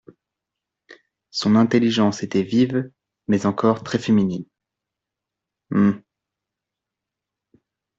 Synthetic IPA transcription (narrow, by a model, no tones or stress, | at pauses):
sɔ̃nɛ̃t̪eliʒɑ̃set̪ɛviv | mɛzɑ̃kɔʁt̪χɛfeminin | m̩